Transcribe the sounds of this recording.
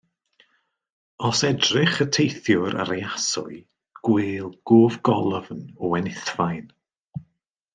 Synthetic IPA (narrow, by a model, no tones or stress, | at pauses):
ɔsɛdrɪχətʰejθjʊɾʔa̰ɾejasʊ̰ɨ | ɡ̥wɪːlˠɡ̥oːvɡɔlˠəvnɔwɛnɪθvajn